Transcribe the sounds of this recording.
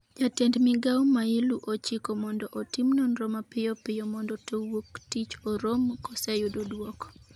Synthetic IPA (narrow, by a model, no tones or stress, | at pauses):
d͡ʒatɛndmɪɡawmailuʔot͡ʃikɔmɔndɔʔotimnɔnɾɔmapɪjɔpɪjɔmɔndɔtowoktit͡ʃɔɾomkɔsɛjudodwɔkɔ̥